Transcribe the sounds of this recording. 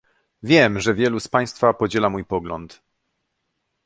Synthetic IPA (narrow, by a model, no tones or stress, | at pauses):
vʲjɛmʐɛvʲjɛluspaj̃st̪fapɔd͡ʑɛlamujpɔɡlɔ̰nt̪